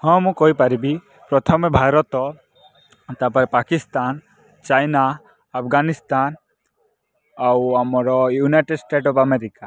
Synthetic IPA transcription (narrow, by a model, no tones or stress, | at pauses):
hɔ̃mũkɔɦipaɾibi | pɾɔt̪ʰɔmebʱaɾɔt̪ɔ | t̪apɔɾɛpakist̪an | t͡ʃajnaː | pʰɡanist̪an | awamɔɾɔjunajʈeɖsʈeʈɔpʰameɾika